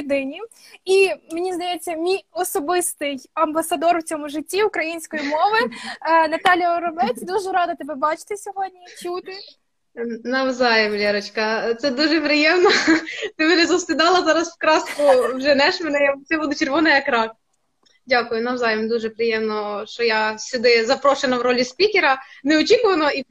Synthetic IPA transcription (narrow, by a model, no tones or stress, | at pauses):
d̪ɪnʲiimenʲizd̪ɐjet͡sʲːɐmʲijɔsɔbɪst̪ɪjɐmbɐsɐd̪ɔrwt͡sʲɔmʊʒɪtʲːiʊkɾɐjinʲsʲkɔjimɔʋɪnɐt̪ɑlʲjɐɾɔbɛt͡sʲd̪uʒɛɾɑd̪ɐt̪ɔbɛbɑt͡ʃɪ̥t̪ɪsʲɔɦɔdʲnʲitʲut̪ɪ | nɐwzɑjɪmlʲɛɾɔt͡ʃkɐt̪sɛd̪uʒɛpɾɪjɛmnɔt̪ɪʋeʒɛzɐst̪ɪd̪ɑlˠɐzɑɾɐswkɾɑskʊwʒɛnɛʃmenɛjt̪sɛbud̪ʊt͡ʃerʋɔnɐjɐkɾɑk̚ | dʲakʊjʊnɐwzɑjɪmd̪uʒɛpɾɪjɛmnɔʃt͡ʃɔjasʲʊd̪ɪzɐpɾɔʃenɐwɾɔlʲisʲpʲikʲeɾɐneɔt͡ʃikʊʋɐnɔi